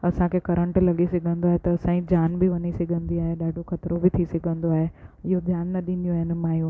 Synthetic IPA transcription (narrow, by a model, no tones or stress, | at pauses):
ɐsãkʰekɐɾə̃ɳʈlɐɠisɐɡʱə̃nd̪oaːɦet̪ɐɐsãːĩd͡ʑaːnbɪʋɐnisɐɡʱə̃nd̪iaːɦeɗaːɖʱoxɐt̪ɾobɪt̪ʰisɐɡʱə̃nd̪oaːɦeɪɦod͡ʑjaːnːɐɗĩːn̆d̪ijũaːɦɪnɪ̆maːjũː